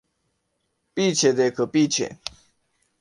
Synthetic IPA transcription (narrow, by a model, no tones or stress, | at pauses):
pit͡ɕʰɛd̪ekʰəpit͡ɕʰɛ̰